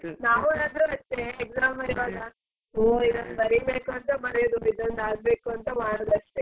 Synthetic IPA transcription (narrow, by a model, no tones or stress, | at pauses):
naːʋunaːd̪ɾuɐt̪ːeeɡzaːmɦɐɾʋaːɡɐ | oːid̪ɐnːbɐɾibeːkuɐnt̪ɐmɐɽɛjod̪uid̪ɐnd̪aːɡbe̞ːkuɐnt̪ɐʋaːɳɐd̪ɐʂʈe